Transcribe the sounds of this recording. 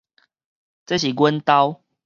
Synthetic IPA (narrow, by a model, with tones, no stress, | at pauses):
t͡sə˥˦ɕi˨˩ɡwə˦nt̪a˦ʊ